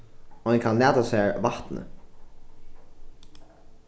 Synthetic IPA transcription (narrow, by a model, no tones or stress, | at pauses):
ɔɛnkʰanlæːt̪asɛɹvaht̪nə̰